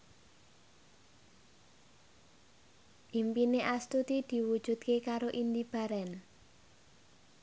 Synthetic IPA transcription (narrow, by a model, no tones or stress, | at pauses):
ʔimpineʔast̪ut̪id̪̥i̤wud̥ʒ̥ṳt̪̚kekaɾoʔind̪ib̥a̤ɾɛn